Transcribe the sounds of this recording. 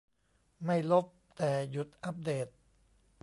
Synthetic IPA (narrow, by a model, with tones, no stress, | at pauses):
ma˥˩jlo˦˥p̚t̪ɛː˨˩ju˨˩t̪̚ʔa˦˥p̚deː˨˩t̪̚